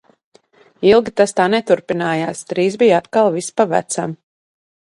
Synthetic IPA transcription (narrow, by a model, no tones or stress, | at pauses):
ilˠɡit̪ast̪aːnɛt̪uɾpinaːjaːst̪ɾiːzbijat̪kalˠvispavæ̰t̪sam